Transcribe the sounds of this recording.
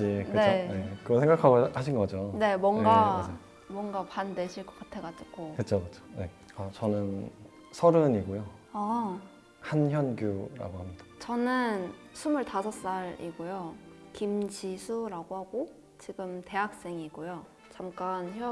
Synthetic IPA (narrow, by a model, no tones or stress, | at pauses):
inkɯeojekɯɡʌsʰeŋɡakʰaɡoaɕ̬ʰinɡʌd͡ʑone̞mwʌŋɡa | mwʌŋɡapandeɕʰiɭk͈ʌ̥k͈atʰeɡat͡ɕ͈iɡ͈okɯt͡ɕʰokɯt͡ɕʰo̥je | ʌt͡ɕʌnɯn | sʰʌɾɯniɡojo | a | hançjʌnɡjuɾa̰ɡoɦamɲid̥ḁt͡ɕʌnɯnsʰumɯɭtasʰʌs͈aɾḭɡojokimd͡ʑisʰuɾaɡohaɡo | t͡ɕiɡɯmte̞ɦak̚s͈e̞ŋiɡojo | t͡ɕamk͈ançjʌ